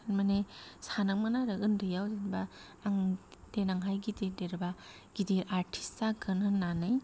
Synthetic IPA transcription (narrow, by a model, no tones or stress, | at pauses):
nmanesanak̚manaɾɐɡɯndɯjawzenba | aŋd̥enaŋɦajɡidedeɾba | ɡ̥ideʔaɾtʰi̥staɡɯnɯnːanɯj